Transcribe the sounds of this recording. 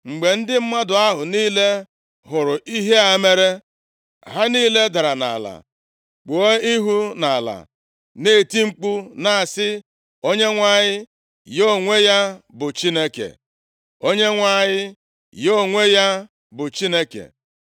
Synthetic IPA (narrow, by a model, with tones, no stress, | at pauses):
ŋ͡m̩˨ɡ͡be˨n̩˦dɪ˦m̩˦ma˦dʊ˨a˦ɦʊ˨niː˦le˦ | ɦʊ˨ɾʊ˨ʔi˦ɦe˦a˨˦me˦ɾe˦ | ɦa˦niː˦le˦da˨ɾa˨na̰˨la̰˨ | k͡po˨o˦i˦ɦu˦na˨la̰˨ | ne˦˨ti˦ŋ͡m̩˦k͡pu˦na˦a˨sɪ˦ | o˦ɲe˦ŋʷa˦˨ɲɪ˦ | jo˦˨ŋʷe˦ja˦bʊ˨t͡ʃi˦ne˦kḛ˨ | o˦ɲe˦ŋʷa˨ɲɪ˦ | jo˦˨ŋʷe˦ja˦ | bʊ˨t͡ʃi˦ne˦kḛ˨